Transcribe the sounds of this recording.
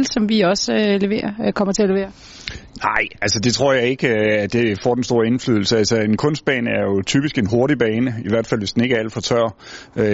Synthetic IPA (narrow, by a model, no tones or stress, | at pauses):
lsɒ̽mʋiɒ̽søle̝ʋe̝̰ːɐkʰɒ̽m̰ɐt͡sʰe̝æɐlee̝̰ːɐ | nɑ̈ɪ̰ælsəd̥e̝t͡sʰʁo̝ɐ̰jɑ̈ɪe̝ɡ̥əæd̥e̝fɒ̰ːd̥ensd̥o̝ːɐe̝nflyðˠl̩səælsəe̝nkʰɔ̽n̰sd̥̚b̥ɛ̰ːnəæɐjo̝t͡sʰy̰ːb̥isɡ̥e̝nɦo̝ɐɾib̥ɛːnəiʋæɐ̰d̥fæl̰ʋesd̥ene̝ɡ̥əæl̰əfɒt͡sʰɶɐ | ø